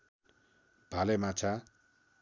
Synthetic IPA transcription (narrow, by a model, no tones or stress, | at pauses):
b̥ʱalemat͡sʰa